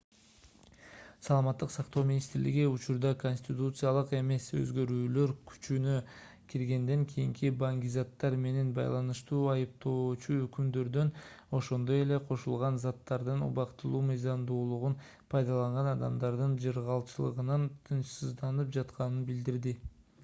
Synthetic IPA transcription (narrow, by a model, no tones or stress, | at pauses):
sɑlˠɑmɑt̪ːɯqsɑqt̪o̞wmʲinʲist̪ɾliɡiut͡ʃuɾd̪ɑko̞nʲsʲt̪ʲit̪ut̪sɨjɑlˠɯqe̞me̞sø̰zɡø̞ɾyːlø̞ɾkʰy̥t͡ʃynø | kʲʰiɾɡe̞nd̪e̞ŋkʲʰijiŋkʰibaŋɡʲizɑt̪ːɑɾme̞ne̞nbɑ̰jlˠɑnɯʃt̪uːɑjɯp̚t̪o̞ːt͡ʃuøkymd̪ø̞ɾd̪ø̞n | o̞ʃo̞nd̪o̞je̞le̞qʰo̞ʃulˠʁɑnzɑt̪ːɑɾd̪ɯnṵβɑqt̪ɯlˠuːmɯjzɑmd̪uːlˠuʁun | pʰɑjd̪ɑlˠɑɴʁɑnɑd̪ɑmd̪ɑɾd̪ɯnd͡ʒɯɾʁɑlˠt͡ʃɯlˠɯ̰ʁɯnɑnt̪ʰɯnʃsɯzd̪ɑnɯpd͡ʒɑt̪qɑnɯnbild̪iɾd̪i